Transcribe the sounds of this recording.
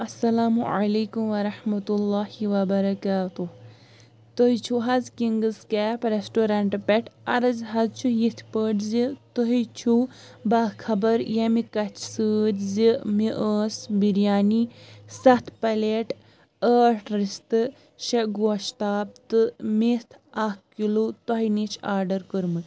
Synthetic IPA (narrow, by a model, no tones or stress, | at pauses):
ɐsːɐlaːmuʕa̰leːkumʋɐɾɐħmɐt̪ulːaːhiwɐbɐɾɐkaːt̪uh | t̪oɦit͡ʃʰuɦɐzkiŋɡɨzkaːpɾesʈoːɾaɳʈpeʈʰɐɾɐzɦɐzt͡ʃʰujit̪ʰpəʈzit̪əɦit͡ʃʰu | bakʰɐbɐɾjɐmikɐt͡ʃʰsɨːd̪ʲzimiʔəːsbiɾjaːnisɐt̪ʰpɐleʈ | əːʈɾist̪ɨ | ʃɐɡoːʃt̪aːb̚t̪ɨmit̪ʰakkːilut̪ɐɦinit͡ʃʰaːɾɖɐɾkəɾmɨt̪